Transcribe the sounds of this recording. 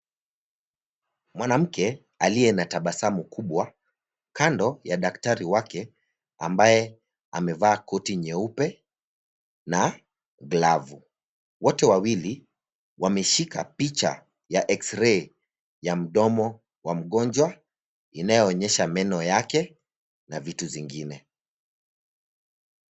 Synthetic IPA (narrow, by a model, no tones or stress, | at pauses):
mwanam̩kɛ | aliɛnataɓasamukuɓwa | kandɔjaɗaktaɾiwakɛ | a̰mbajɛ | amɛvaːkɔtiɲɛupɛ | na | ɡlavu | wɔtɛwawili | wamɛʃika̰pit͡ʃa̰ | jaʔɛksɾɛ | jam̩ɗɔmɔ | wam̩ɠɔnd͡ʒwa | inajɔːɲɛʃamɛnɔjakɛ | navituviŋɡinɛ